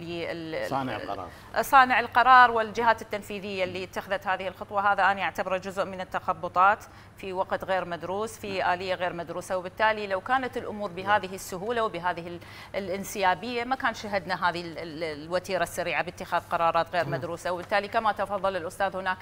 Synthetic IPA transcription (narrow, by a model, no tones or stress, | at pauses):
liɪ̰ʕ̰ɾɑ̰ː | sˤɑːnɪʕɪlqɑɾˤɑːɾˤwɪld͡ʒɪɦaːt̪ɪt̪ːanfiːðɪjːalːiːɪt̪ːaxðat̪haːðɪhɪlxʊt̪ˤwɑɦaːðaʔanaʔaʕt̪abɪɾˤd͡ʒʊzʔmɪnɪt̪ːaxɑbːʊt̪ˤɑːt̪ | fiwaqt̪ɣeːɾmad̪ɾuːsfiʔaːlɪjːaɣeːɾmad̪ɾuːsawbɪt̪ːaːlilawkaːnat̪ɪlʔʊmuːɾbɪɦaːðɪɦɪsːʊɦuːlawbɪɦaːðɪhɪ | lʔɪnsɪjaːbɪjːamakaːnʃaɦad̪naɦaːðɪɪwat̪iːɾasːaɾiːʕabɪt̪ːɪxaːðqɑɾˤɑːɾˤɑːt̪ɣeːɾmad̪ɾuːsawbɪt̪ːaːlikamat̪ɑfɑðˤːɑlɪlʔʊst̪aːðhʊnaːk